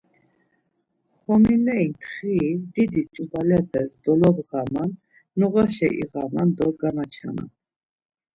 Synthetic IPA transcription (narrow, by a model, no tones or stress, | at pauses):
χɔminɛint̪ʰχid̪id̪it͡ʃʼuvalɛpʰɛsd̪ɔlɔbʁamanː | ɔʁaʃɛ̰ʔḭɣamand̪ɔɡanat͡ʃʰa̰na̰